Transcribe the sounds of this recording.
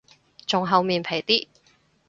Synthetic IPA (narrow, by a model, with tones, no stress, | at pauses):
t͡sʊ˨ŋɦɐ˨˧wmiː˨˩npʰe˨˩jt̪iː˥